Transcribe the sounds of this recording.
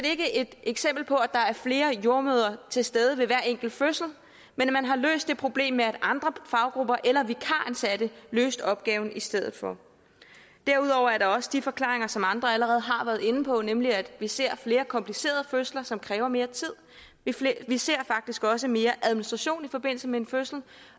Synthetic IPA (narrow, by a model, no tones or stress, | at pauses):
dee̝ɡ̥əʔe̝d̥eɡ̥sem̰b̥l̩pʰɒ̽æd̥ɑ̈æɐfle̝ːɐjo̝ɐmøːð̞ˠɐt͡sʰe̝lsd̥eːð̞ˠəʋe̝ʋæɐ̰eŋ̰ɡ̥l̩føsl̩ | menmænɦɑ̈lø̰ːsd̥ːe̝pʰʁo̝b̥le̝̰ːmːeæd̥ɑ̈nd̥ʁɐfɑ̈ʊɡ̥ʁub̥ɐʔelɐʋikʰɑ̈ænsæd̥əlø̰ːsd̥ɒ̽b̥̚ɡ̥ɛːʊn̩isd̥eð̞̰ˠð̩ˠfɒ̽ | d̥æɐuð̞ˠɒ̰ʊ̰ɐæɐɾ̥ɑ̈ɒ̽səd̥ifɒ̽kʰlɑ̰̈ʁeŋɐsɒ̽mɑ̈nd̥ʁɐæləʁɛːð̞̩ˠɦɑ̈ʋæɐð̞̩ˠe̝nəpʰɒ̽nemliæd̥ʋise̝ɐ̰fle̝ːɐkʰɒ̽mpʰlise̝̰ːɐð̞ˠəføslɐsɒ̽mkʰʁɛːʊɐme̝ːɐt͡sʰið̰ˠ | iʋise̝̰ɐ̰fɑ̈ɡ̥̚d̥isɡ̥ɒ̽s̬əme̝ːɐʔæð̞ˠminisd̥ʁɑ̈ɕo̝̰ːnifɒ̽b̥e̝n̰l̩səmee̝nføsl̩